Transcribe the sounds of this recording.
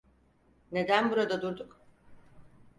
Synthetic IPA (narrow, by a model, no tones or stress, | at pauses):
ne̞d̪ænbuɾad̪ad̪uɾd̪uk